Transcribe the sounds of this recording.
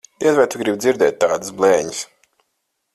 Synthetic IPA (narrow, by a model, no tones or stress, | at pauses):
d̪̥iɛzvɛjt̪uɡɾib̪ziɾd̪ɛːt̪̚ʲːaːd̪ɨsblˠɛːɲis